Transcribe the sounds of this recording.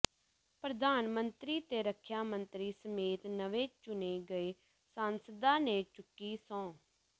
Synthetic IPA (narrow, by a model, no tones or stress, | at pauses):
pɾəd̪aːnmənt̪ɾiːt̪eːɾəkʰjaːmənt̪ɾiːsəmeːt̪nəʋeːt͡ʃʊneːɡəeː | saːnsəd̪ãːnẽːt͡ʃʊkːiːsɔ̃ː